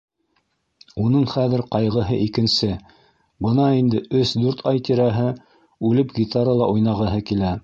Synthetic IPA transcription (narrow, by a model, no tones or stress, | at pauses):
unɤɴχæðɘ̆ɾqɑjʁɤ̆ɦɤʔikɘ̆nsɘ | bɤnɑind̪ɘʔɵsd̪ʉɾt̪ʰɑjt̪iɾæɦɘ | ʉlɘpɡʲit̪aɾəlˠɑʔujnɑʁɤ̆ɦɤkilæ